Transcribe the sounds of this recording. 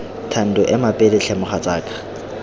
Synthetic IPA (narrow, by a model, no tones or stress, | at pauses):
tʰan̩dʊʔɪmapʼedɪt͡ɬʰɛmʊχat͡sʼaːkʼḁ